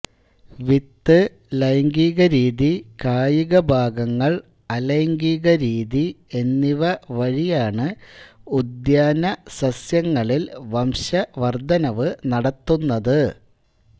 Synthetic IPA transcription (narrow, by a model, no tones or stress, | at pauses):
ʋit̪ːɨ | lɐjŋɡiːɣɐɾiːðikaːjiɣɐbʱaːɡɐŋːɐɭ | ɐlɐjŋɡiːɣɐɾiːðie̞nːiʋɐʋɐɻijaːɳɨud̪jaːnɐsɐsjɐŋːɐɭilʋɐmɕɐʋɐrd̪ʱɐnɐʋɨnɐɽɐt̪ːunːɐðɨ